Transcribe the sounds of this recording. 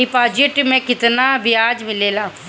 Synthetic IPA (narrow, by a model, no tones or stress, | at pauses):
iːpaːd͡ʒɪʈmɛ̃ːkɪt̪naːbɪjaːd͡ʒmɪleːlaː